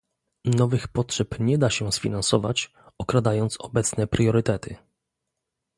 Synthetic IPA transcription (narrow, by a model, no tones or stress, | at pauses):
nɔvɘxpɔtʂɛpɲɛd̪aɕɛsfʲinansɔva̰t͡ɕ | ɔkɾad̪ajɔnt̪sɔbɛt̪snɛpɾjɔɾɘt̪ɛt̪ʰɘ